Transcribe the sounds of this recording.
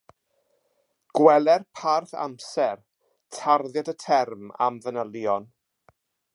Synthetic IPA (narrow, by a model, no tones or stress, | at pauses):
ɡ̥wɛlɛrpʰarθa̰msɛr | tʰarðjadətʰɛrma̰mvənəlˠjɔn